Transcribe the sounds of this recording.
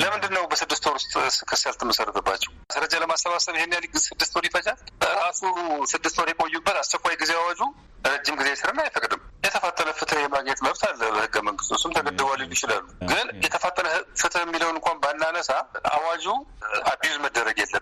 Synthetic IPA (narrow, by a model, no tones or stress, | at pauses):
ləmɨnd̪ɨnːəwbəsɨd̪ːɨst̪ʰoɾust̪ʼsɨ̥kʰɨsəlt̪ɨməsəɾːət̪ʰəbːat͡ʃːɛwsəɾəd͡ʒaləmasːəβasəβjhenːjaliɡɨzsɨd̪ːɨst̪ʰoɾifət͡ʃʼalbəɾasusɨd̪ːɨst̪ʰoɾjɛkʼojːubːət̪ast͡ʃːɛkʼʷːajɡizeawad͡ʒu | ɾəd͡ʒːɪmɡizejɛsɨɾɨnːajfəkʼd̪ɨmjɛt̪ʰəfat̪ʼːənəfɨt̪ʰɨhjɛmaɡɲɛt̪məβt̪ʰalːəbəhɨɡːəməŋɡɨst̪ʰosumt̪ʰəɡəd̪ːəβʷalɪnjɪt͡ʃɪla̰lːuɡɨnjɛt̪ʰəfat̪ʼːənəfɨt̪ʰɨhɛmːiləwɨŋkʷanbanːanəsaa̰wad͡ʒuabezməd̪ːəɾəɡjɛlːəm